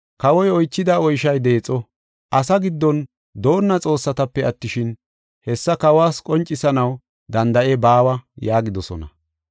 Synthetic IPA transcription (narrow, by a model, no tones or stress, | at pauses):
kɐwɔjɔjt͡ʃːɪd̪ɐɔjʃɐjd̪e̞ːt͡sʼːɔ | ʔɐsɐɡɪd̪ːɔn | d̪o̞ːnːɐt͡sʼo̞ːsːɐt̪ɐpːɛɐt̪ːɪʃɪn | hɛsːɐkɐwaːskʼɔnt͡ʃʼːɪsɐnɐw | d̪ɐnd̪ɐʔebaːwɐjaːɡɪd̪ɔsɔ̰nɐ̰